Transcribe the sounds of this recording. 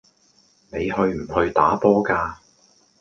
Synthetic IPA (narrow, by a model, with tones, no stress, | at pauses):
ne˨˧jɦɵ˧ɥm̩˨˩hɵ˧ɥt̪a̰ː˨˥pɔː˥kaː˧